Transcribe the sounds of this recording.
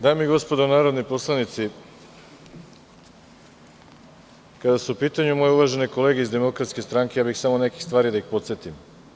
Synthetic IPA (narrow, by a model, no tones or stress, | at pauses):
d̪aːmiiɡo̞spod̪onaːɾo̞d̪nipo̞slˠanit̪si | kad̪asuupiːt̪aɲumo̞jeuʋaʒe̞neko̞leɡeizd̪e̞mo̞kɾat̪ske̞st̪ɾaŋke̞jaːbixsamo̞ne̞kixst̪ʋaːɾid̪aixpo̞t̪set̪im